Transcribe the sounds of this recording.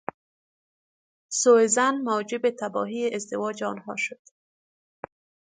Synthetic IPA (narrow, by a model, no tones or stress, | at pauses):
soezanmawd͡ʒɪbet̪ʰabɒ̰ɦieʔɪzd̪ɪwɒd͡ʒɔːnhɒʃʊd̪̥